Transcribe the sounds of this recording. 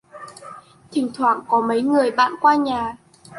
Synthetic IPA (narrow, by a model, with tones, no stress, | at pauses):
t̪ʰï˨˩ŋt̪ʰwa̰ː˧˨ŋkɔ˨˦mə˨˦jŋɨ˨˩əjɓa̰ː˧˨nkwaː˧ɲaː˨˩